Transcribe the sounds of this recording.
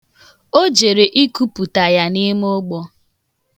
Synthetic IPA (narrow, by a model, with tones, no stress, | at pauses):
o˦d͡ʒe˨ɾe˨ʔi˦ku˦pu˨ta˨ja˨ni˦m˦o˦ɡ͡bɔ˦